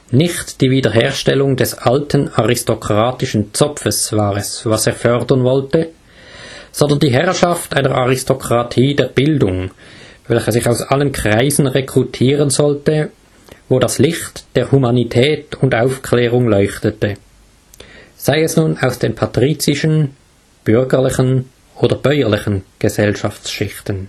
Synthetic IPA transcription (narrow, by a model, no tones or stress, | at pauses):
nɪçtd̥iːviːdɐɦeːɐʃtɛlʊŋdɛsʔaltʰənaʁɪstokʁ̥aːtɪʃən̩t͡sɔfəsv̥aːʁɛsvaseːɐfœʁdɐnvɔltə | z̥ɔndɐndiːɦɛʁʃaftʔaɪnəʁaʁɪstokʁ̥atʰiːdeːɐb̥ɪldʊŋvɛlçəzɪçaʊsʔalənkʁ̥aɪzn̩ʁekʁ̥utʰiːʁənzɔltə | voːdaslɪxtd̥eːɐhumanitʰɛːtʊndaʊfkʰlɛːʁʊŋlɔʏçtətə | z̥aɪɛsnuːnaʊsd̥eːnpʰatʁ̥iːt͡sɪʃən | b̥ʏʁɡəʁlɪçən | ʔoːdɐb̥œʏəlɪçən̩ɡ̥əzɛlʃaft͡sʃɪxtən